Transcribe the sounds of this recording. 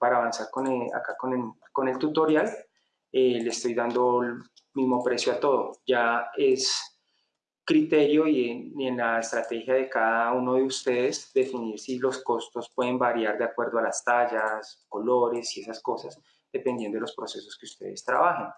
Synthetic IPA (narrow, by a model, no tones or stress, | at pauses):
paɾaːβansaɾkonea̰kakone | ko̞ne̞lt̪ut̪o̞ɾjal | elest̪o̞jd̪and̪o̞l | mizmo̞pɾe̞sjoat̪o̞ðod͡ʒae̞s | kɾit̪e̞ɾjo̞ieie̞nlaest̪ɾat̪e̞xjaðe̞kaðauno̞ðeust̪e̞ðe̞zd̪e̞finiɾsilo̞sko̞st̪o̞spwe̞ðe̞mbaɾjaɾd̪eakwe̞ɾd̪oalast̪aʝasko̞lo̞ɾe̞sie̞sasko̞sas | d̪̥e̞pend̪jend̪o̞elospɾo̞se̞so̞skeust̪e̞̰ðe̞st̪ɾa̰βaxen